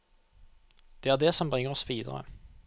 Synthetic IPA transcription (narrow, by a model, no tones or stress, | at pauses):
d̪̥eːæʁd̪eːsɔmbʁɪŋːəʁɔsʋiːd̪ə̰ʁə̰